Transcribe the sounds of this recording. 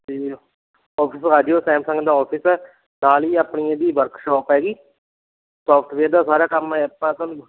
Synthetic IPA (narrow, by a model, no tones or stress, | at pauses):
t̪iː | ɔːpʰɪsɾaːd͡ʒjoːsɛ̃ːmsə̃ŋɡd̪aːɔːpʰɪsɛː | naːliːapniːãːd̪iːʋəɾkʃɔːpɦɛːɡiː | sɔːpʰʈʰʋeːɾd̪aːsaːɾaːkəmɦɛːpãːsõn